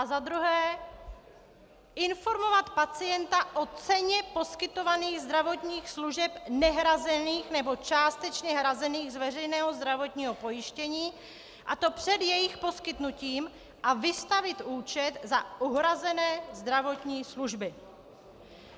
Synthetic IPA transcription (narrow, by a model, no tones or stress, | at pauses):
ʔazad̪ɾuɦɛː | ʔɪnfo̞ɾmo̞vat̪pat͡sɪjɛnt̪aʔo̞t͡sɛɲɛpo̞skɪt̪o̞vaniːɣzd̪ɾavo̞t̪ɲiːxsluʒɛpnɛɦɾazɛniːxnɛbo̞t͡ʃaːst̪ɛt͡ʃɲɛɦɾazɛniːɣzvɛrɛjnɛːɦo̞zd̪ɾavo̞t̪ɲiːɦo̞po̞jɪʃcɛɲiː | ʔat̪o̞pr̝̥ɛd̪jɛjɪxpo̞skɪt̪nuciːm | ʔavɪst̪avɪt̪ʔuːt͡ʃɛt̪zaʔuɦɾazɛnɛːzd̪ɾavo̞t̪ɲiːsluʒbɪ